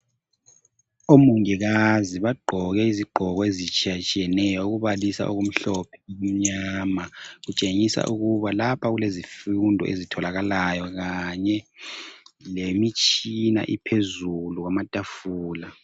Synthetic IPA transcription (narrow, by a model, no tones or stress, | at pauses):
omuŋɛɣaziβaɡ͡ǃʱɔɣɛiziɡ͡ǃʱɔɣɔezit͡ʃʼiat͡ʃʼijɛnɛjɔuɣuβalisa̰ʔoɣum̩ɬɔpʰɛum̩ɲamaɣut͡ʃʼeŋisa̰ʔuɣuβalapʰaɣulezifundʱɔ̰ʔezitʰɔlaɣalajɔɣaɲɛ | lemit͡ʃʼina̰ʔipʰezuluɣwamatʼafuːla